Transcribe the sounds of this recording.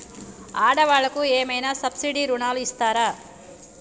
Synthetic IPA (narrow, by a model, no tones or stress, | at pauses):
aːɽɐʋaːɭːɐkueːmɐjnaːsɐbsiɖiːɾunaːluist̪aːɾaː